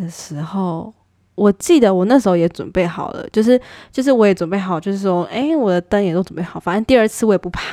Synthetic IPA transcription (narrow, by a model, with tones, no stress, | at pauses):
ə˩ʂɻ̩˧˥xo˥˩ʊ | wɔ˨˩t͡ɕi˥˩d̪ə˩wɔ˨˩na˥˩ʂ̬̩˧˥xo˥˧jɛ˧˥t͡swʊ̰˨˩npe˥˩ɪxɑ˨˩ʊlə̰˦t͡ɕjo˥˧ʊʂ̬ɻ̩˥˩t͡ɕjo˥˧ʊʂ̬ɻ̩˥˩wɔ˦˥jɛ˧˥t͡swnpe˥˩ɪxɑ˨˩ʊt͡ɕjo˥˧ʊʂɻ̩˥˩ɔ˥ʔe˥˩ɪwɔ˨˩d̪ə˦t̪ə˥njt̪o˥ʊt͡sʊ˨˩pe˥˩xɑ˨˩ʊfa˨˩ə˥n˥t̪i˥˧ə˞˥˧t͡sʰɹ̩˥˧wɔ˧˥jɛ˨˩pu˧˥pʰa˥˩